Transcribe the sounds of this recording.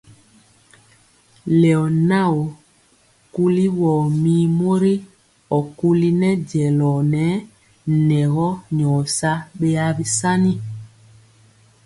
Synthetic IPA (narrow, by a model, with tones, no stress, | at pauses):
lɛ˨ɔ˨na˦˨o˨ | ku˦li˦wɔ˨mi˦mo˦ɾi˦ | ɔ˨ku˦li˦nɛ˦ɟɛ˨lɔ˨nɛ˨˦ | nɛ˨ɣɔ˦ɲɔː˨sa˦ɓe˦a˦βi˦sa˦ni˦